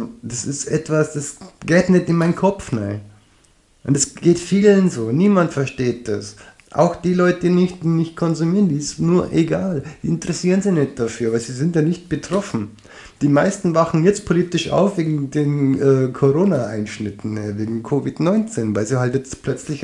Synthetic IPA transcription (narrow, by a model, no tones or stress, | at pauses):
d̥asɪstʔɛtv̥asd̥asɡ̥ɛːtnɛtɪnmaɪnkʰɔpp͡fnaɪn | ʔʊntdɛsɡ̥eːtfiːlənzoːniːmantfɛɐʃteːt̚d̥a̰s | ʔa̰ʊxd̥iːlɔʏtədinɪçtːnɪçt̚kʰɔnzumiːʁəndiːɪstnuːɐʔeɡaːld̥iːɪntəʁɛsiːʁənzɪçnɛt̚d̥afyːɐvaziːzɪntjanɪçt̚b̥ətʁ̥ɔfn̩ | d̥iːmaɪstn̩vaxn̩jɛt͡st̚pʰoliːtɪʃa̰ʊfv̥eːɡŋ̩deːnʔɛːkʰoʁoːnaʔaɪnʃnɪtn̩ɛveːɡŋ̩kʰoːvɪtnɔʏnt͡seːnvaɪlziːhaltjɛt͡stpʰlœt͡slɪç